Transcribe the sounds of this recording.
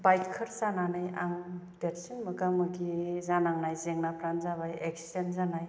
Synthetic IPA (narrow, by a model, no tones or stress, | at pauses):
bajtkʰɯɾzananajaŋdeɾsinmɯɡamɯɡizanaŋnajzeŋnapʰɾanzaβajeksi̥denzanaj